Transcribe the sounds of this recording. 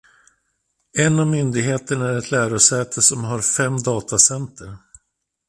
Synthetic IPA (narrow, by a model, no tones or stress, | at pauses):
ɛnːavmʏnd̪ɪɡɦeːt̪əɳaæɾɛt̪ʰlæːɾʊsɛːt̪ʰəsɔmɦaɾfɛmːd̪ɑːt̪asɛnt̪ʰəɾ